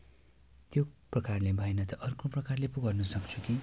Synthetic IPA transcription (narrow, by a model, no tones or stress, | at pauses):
t̪joprʌkarlebʱʌenʌt̪ʌʔʌrkoprʌkarlepuɡʌrnʌsʌkt͡sʰuki